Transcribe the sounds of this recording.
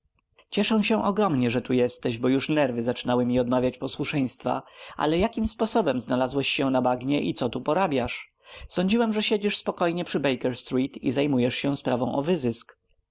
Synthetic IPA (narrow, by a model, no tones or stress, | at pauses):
t͡ɕɛʂɛw̃ɕɛ̃ʔɔɡɾɔmɲɛʐɛt̪ujɛst̪ɛʑbɔjuʂnɛɾvɘzat͡ʂɘnawɘmʲiɔd̪mavʲjat͡ɕpɔswuʂɛj̃st̪fa̰ʔa̰lɛjakʲimspɔsɔbɛmznalazwɛɕɕɛ̃nabaɡɲɛʔḭt̪sɔt̪upɔɾabʲjaʂ | sɔɲd͡ʑiwɛmʐɛɕed͡ʑiʂspɔkɔjɲɛpʂɘbɛjkɛɾst̪ɾit̪ḭzajmujɛʂɕɛspɾavɔ̃w̃ʔɔvɘzɘsk